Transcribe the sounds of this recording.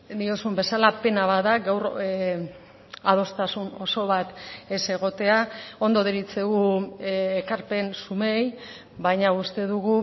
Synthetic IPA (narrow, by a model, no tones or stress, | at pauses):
d̪iosumbe̞salape̞naβaðaɡawɾ | að̞o̞st̪asuno̞so̞βat̪ese̞ɣ̞o̞t̪e̞ao̞nd̪o̞ðeɾit͡se̞ɣu | ekaɾpe̞nsume̞j | βajɲaust̪e̞ðuɣu